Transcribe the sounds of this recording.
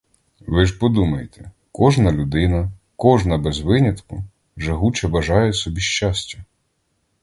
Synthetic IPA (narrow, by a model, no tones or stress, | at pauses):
ʋɪʒpɔd̪umɐjet̪ʰɛ̥ | kɔʒnɐlʲʊd̪ɪnɐ | kɔʒnɐbɛzʋɪnʲɐt̪kʊ | ʒɐɦut͡ʃɐbɐʒɑjɛsɔbʲiʃt͡ʃɑsʲtʲɐ